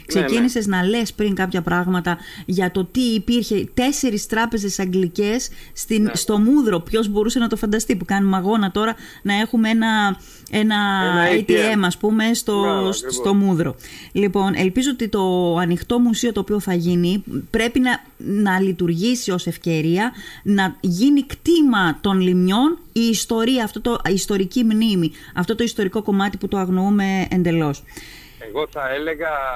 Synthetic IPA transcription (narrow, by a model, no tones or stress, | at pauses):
kse̞cinise̞znɐle̞spɾiŋkɐpçɐpɾɐɣmɐt̪ɐ | ʝɐt̪o̞t̪iːpiɾçe̞t̪e̞se̞ɾist̪ɾɐpe̞ze̞sɐŋɡlice̞sːt̪inst̪o̞muðɾo̞pço̞zbo̞ɾuse̞nɐt̪o̞fɐnd̪ɐst̪ipukɐnumɐɣo̞nɐt̪o̞ɾɐ | nɐe̞xumee̞nɐ | e̞nɐɐjt̪ie̞mɐspume̞st̪o̞sst̪o̞muðɾo̞lipo̞nʔe̞̰lpizoot̪it̪o̞ɐnixt̪o̞musio̞t̪o̞ːpio̞θɐʝinipɾe̞pinɐ | nɐlit̪uɾʝisio̞se̞fce̞ɾiɐnɐʝinikt̪imɐt̪o̞nlimɲo̞n | iːst̪o̞ɾiɐːft̪o̞t̪o̞ist̪o̞ɾicimnimi | ɐft̪o̞t̪o̞ist̪o̞ɾiko̞ko̞mɐt̪iput̪o̞ɐɣno̞ume̞eːnd̪e̞lo̞s | eɣoθɐeleɣɐ